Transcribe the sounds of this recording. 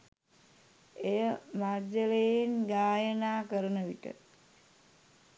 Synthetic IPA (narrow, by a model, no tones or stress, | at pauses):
ejəmadəlejenɡaːjənaːkəɾənəʋiʈə̰